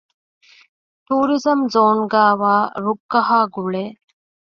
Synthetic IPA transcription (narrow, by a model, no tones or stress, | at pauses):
t̪uːɾizɐmzoːnɡæːʋaːɾukːɐɦaːɡuɭeː